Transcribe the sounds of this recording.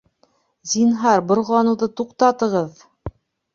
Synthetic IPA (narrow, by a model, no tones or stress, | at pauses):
zinɦɑɾbŏɾʁlˠɑnuðɤt̪uqt̪ɑt̪ɤ̆ʁɤð